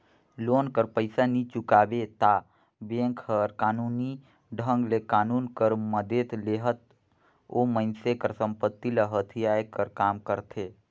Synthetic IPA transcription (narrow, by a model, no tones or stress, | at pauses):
lonkəɾpəɪsanit͡ʃukabet̪a | bẽŋkhəɾkaːnuni | ɖʱə̃ŋɡlekaːnuːnkəɾməd̪et̪leɦət̪ | omənsekəɾsə̃mpət̪ːiləɦət̪ʰiajkəɾkaːmkəɾt̪ʰe